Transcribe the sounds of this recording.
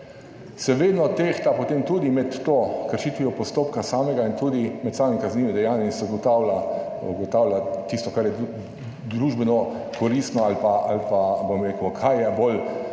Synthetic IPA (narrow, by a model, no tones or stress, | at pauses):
sɛʋeːd̪nɔt̪ext̪apot̪emt̪ud̪imɛt̪ːoːkəɾʃit̪ʋiɔpɔst̪oːpkasaːmɛɡaint̪ud̪imɛt̪saːmimkazniːʋɛd̪ɛjaːnjɛinsɛɡɔt̪awla | uɡɔt̪aːwlat̪ist̪ɔkaɾjɛ | d̪ɾuːʒbɛnɔ | kʰɔɾist̪nɔalpaʔalpabomɾeːkwkʰajjɛbol